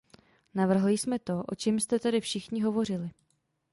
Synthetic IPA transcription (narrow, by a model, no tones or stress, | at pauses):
navr̩ɦlɪsmɛt̪o̞ʔo̞̰t͡ʃɛmst̪ɛt̪ɛdɪfʃɪxɲɪɦo̞vo̞r̝ɪlɪ